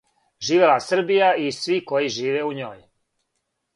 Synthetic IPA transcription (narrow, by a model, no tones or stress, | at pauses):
ʒiːʋelasr̩bijaisʋiko̞jiʒiːʋeuɲoːj